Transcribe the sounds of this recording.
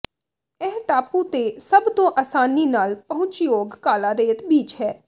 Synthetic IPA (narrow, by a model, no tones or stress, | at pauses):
ɛːʈaːpuːt̪esəbt̪õːʔaːsaːninaːlpəɦʊ̃t͡ʃjoːɡkaːlaːɾeːt̪biːt͡ʃɦɛː